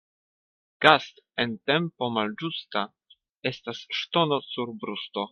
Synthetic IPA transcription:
ɡ̥aste̞nte̞mpo̞mald͡ʒusta | e̞stasʃto̞no̞suɾbɾusto̞

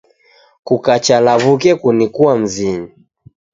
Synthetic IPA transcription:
kukat͡ʃalaβukɛkunikuam̩zini

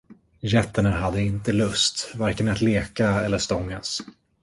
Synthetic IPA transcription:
jɛt̪ːəɳaɦad̪ːəɪnt̪əlɵst̪vaɾkənat̪leːkaɛlːəʂt̪ɔŋːas

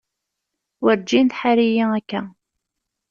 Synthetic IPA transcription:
wəɾd͡ʒːinθħaɾijiækːæ

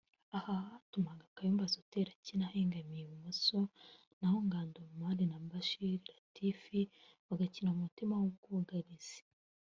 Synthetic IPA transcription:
ahahatumaɡakajuːɱvazuteɾacinaheːŋɡamijewumoso | nahoŋɡaːndoumaninambaʃiɾiɾatifi | waɡacinaumutimawob̚ɡuɡaɾiz̥e̥

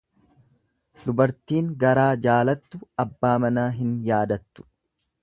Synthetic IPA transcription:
d̪ʊbɐɾt̪iːŋɡɐɾaːd͡ʒaːlɐt̪ːʊɐbːaːmɐnaːɦɪnjaːd̪ɐt̪ːʊ̥

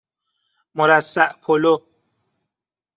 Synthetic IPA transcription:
moɾæsːæʔpʰolo

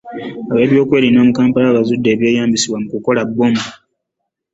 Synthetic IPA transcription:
aβe̞ːβjo̞ːkwe̞ːlino̞ːmukaːmpalaβazudːe̞ːβje̞ːjaːmbisiβwamukuko̞labːomu

